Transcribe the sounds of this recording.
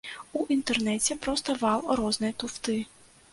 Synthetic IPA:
uʔint̪ɛrnɛt͡sʲɛpɾɔst̪ɐvɑlˠɾɔznɨjt̪ʊft̪ɪ

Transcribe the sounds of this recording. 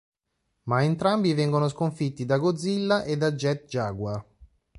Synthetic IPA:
maent̪ɾambivɛŋɡonoskoɱfit̪ːid̪aɡod̪zːilːaʔed̪ːad͡ʒːɛt̪̚d͡ʒaːɡwa

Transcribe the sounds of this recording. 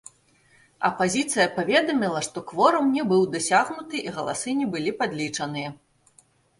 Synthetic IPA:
ɐ̰pazʲit̪sɨjɐpavʲɛd̪ɐmʲilˠɐʂt̪ɔxvɔɾɐmnʲɛbɨwd̪asʲaɣnut̪ɨʔiɣɐlˠa̰sɨnʲɛbɨlʲipad̪lʲit͡ʂɐnɨjɐ

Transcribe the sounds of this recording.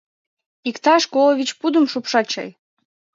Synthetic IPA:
ikt̪ɑʃkoloβʲit͡ɕpud̪əmʃupʃɑt͡ɕɑ̰j

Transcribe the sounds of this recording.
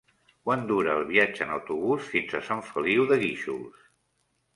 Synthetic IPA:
kwand̪uɾəːlˠβiad͡ʒə̰ːnəwt̪uβusfinzəsãɱfəliwðəɣiʃṵlˠs

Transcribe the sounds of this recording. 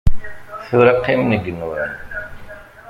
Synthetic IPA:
θuɾɑqːimnəɡənə̰n

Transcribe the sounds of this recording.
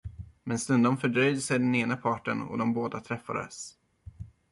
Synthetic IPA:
mɛnst̪ɵnd̪ɔmfœɖɾœjd̪əsɛɖɛneːnapʰɑːʈə̰nɔ̰d̪ɔmboːd̪at̪ʰɾɛfːad̪ə̰s

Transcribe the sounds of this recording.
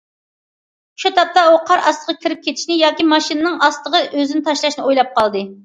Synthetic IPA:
ʃut̪ʰɑp̚t̪ɑuqʰɑɾɑst̪əʁɑkʲʰiɾɪp̚kʲʰet̪ʰɪ̥ʃnɪjɑːkʲimɑʃinɨnɨŋɑst̪ˠəʁəʔøzɪnɪt̪ʰɑʃlˠɑʃnɨojlˠɑp̚qɑlˠd̪ɨ

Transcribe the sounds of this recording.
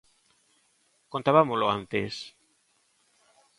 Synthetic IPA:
kont̪aβamoloant̪es

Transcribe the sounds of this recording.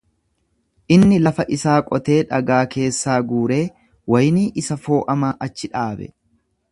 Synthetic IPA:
ʔɪnːɪlɐfɐʔɪsaːkʼɔt̪e̞ːᶑɐɡaːke̞ːsːaːɡuːɾe̞ː | wɐjniːʔɪsɐfo̞ːʔɐmaːʔɐt͡ʃːɪᶑaːbɛ̰

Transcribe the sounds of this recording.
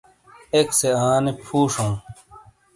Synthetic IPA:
ekseãːnepʰuːʂõː

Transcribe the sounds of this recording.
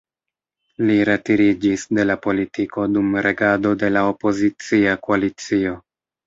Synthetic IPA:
liɾetiɾid͡ʒisde̞lapo̞litiko̞dumɾʔe̞ɡado̞de̞lao̞po̞zit͡siakoalit͡sio̞

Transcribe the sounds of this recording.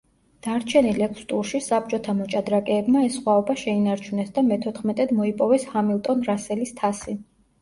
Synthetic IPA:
d̪̥aɾt͡ʃʰɛnilɛkʰst̪ʼuɾʃisap̚t͡ʃʼɔt̪ʰamɔt͡ʃʼad̪ɾakʼɛːbmaɛsχwaɔbaʃɛinaɾt͡ʃʰunɛsd̪amɛt̪ʰɔt̪ʰχmɛt̪ʼɛd̪mɔipʼɔvɛshamilˠt̪ʼɔnɾasɛlist̪ʰasi

